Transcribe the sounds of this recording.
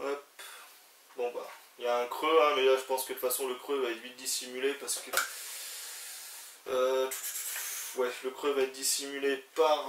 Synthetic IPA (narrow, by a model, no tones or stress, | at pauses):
wɛp | bɔ̃ba̰iljaɛ̃kχøɛ̃mɛlaʒəpɑ̃skəd̪əfasɔ̃ləkχøvaɛt̪vit̪̚d̪isimylepaʁsə̥kə | t̪ | wɛləkχøvaɛt̪̚d̪isimylepaʁ